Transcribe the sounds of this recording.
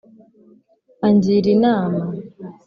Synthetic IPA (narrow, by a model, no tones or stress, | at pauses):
aɲd͡ʒiɾinama